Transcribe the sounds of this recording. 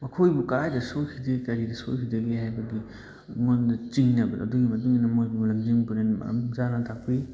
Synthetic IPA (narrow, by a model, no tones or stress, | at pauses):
mɐkʰojbukɐɾajdɐsojkʰidɐɡikɐɾidɐsojkʰidɐɡihajbɐɡi | ŋondɐt͡ʃiŋnɐbɐɐ̰duɡimɐt̬uŋinɐmojbulɐŋd͡ʒiŋbuɾenmɐ̰ɐ̰md͡ʒanatʰak̚pi